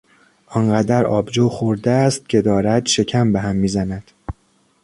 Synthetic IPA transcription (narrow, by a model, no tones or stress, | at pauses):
ʔɒnɢæd̪æɾɒ̰ːbd͡ʒoːxoɾd̪eæst̪̚cʰʲe̞d̪ɒːɾæd̪̥ʃe̞cʲʰæmbeɦæmːiːzænæd̪̥